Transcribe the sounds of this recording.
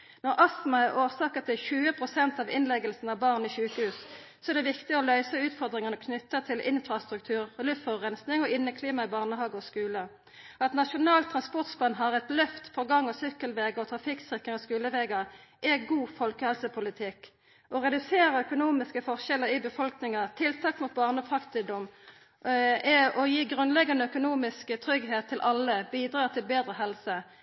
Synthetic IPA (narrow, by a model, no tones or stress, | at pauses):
nɔʁʔɑsmɑæʁʔoːʁsɑːkət̪ʰɪlçʉːəpʰʁʊsɛnt̪ɑʋɪnlɛɡəlsn̩ɑʋbɑʁniʃʉːkəhʉːs | sɔɛʁd̪ɛʋɪkt̪ɪɔlœʏsəʉːt̪fɔʁd̪ʁɪŋənəkʰnʏt̪ːət̪ʰɪlʔɪnfɾɑst̪ʁʉk̚t̪ʰʉːʁlʉffɑʁɛnsnɪŋɔɪnːəkʰliːmɑɪbɑʁnəɦhɑːɡɔskʉːlə | ɑt̪nɑʃʊnɑːlt̪ʰːɾɑnspɔʁt̪spɑnɦɑʁɛt̪lœft̪fɔʁɡɑŋːɔsʏkːəlʋeːɡɔt̪ʰʁɑfɪksɪkəŋɔskʉːləʋeːɡɑʔɛɡuːfɔlkəhɛlsəpʰʊlɪt̪ʰɪkː | ʔɔʁɛd̪ʉseːʁəœkʊnuːmɪskəfɔʁʃɛləʁɪbəfɔlknɪŋɑt̪ʰɪlt̪ʰɑːkmʊt̪̚bɑːʁnəfʁɑkt̪ɪd̪ɔm | ɛɔjiːɡʁʉnlɛɡɑnəœkʊnuːmɪskət̪ʰʁʏɡɦeːt̪ʰːɪlʔɑlːəbiːd̪ʁɑːt̪ʰɪlbeːd̪ʁəɦɛlsə